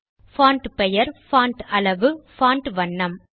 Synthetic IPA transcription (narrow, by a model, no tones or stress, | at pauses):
faːɳʈpɛjɐɾfaːɳʈɐɭɐʋɯfaːɳʈʋɐɳːɐm